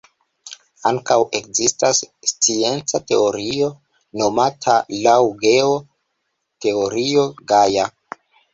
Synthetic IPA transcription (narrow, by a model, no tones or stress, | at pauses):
aŋkawʔe̞kzistasːt͡sie̞nt͡sate̞o̞ɾio̞ | no̞matʰalawɡeo | te̞o̞ɾio̞ɡaja